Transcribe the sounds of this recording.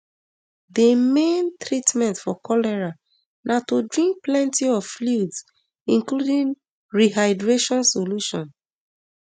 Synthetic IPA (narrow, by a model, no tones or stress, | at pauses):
demẽntɹitmɛ̃ntfɔkʰɔlɛɹa | natodɹĩŋk̚plɛ̃ntiɔv̥fluds | ĩnkludĩn | ɹiɦaɪdɹeʃɔ̃nsoluʃɔ̃n